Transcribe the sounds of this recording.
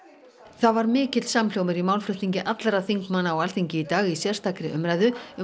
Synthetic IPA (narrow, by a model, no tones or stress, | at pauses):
θaðvaɾmɪːcɪt̪l̥samljowmɪɾimaːwlfɾʏht̪niɲcɪʔat̪laɾaðθiŋkmanːaɔwalθiɲcɪit̪aːɣisjɛr̥st̪ʰakɾɪʔʏmɾajðʏʏ